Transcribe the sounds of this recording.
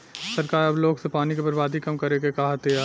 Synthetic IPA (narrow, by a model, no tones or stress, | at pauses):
sɐɾkaːɾɐbloːɡsepaːnikebɐɾbaːd̪ʱikɐmkɐɾekekaɦət̪ea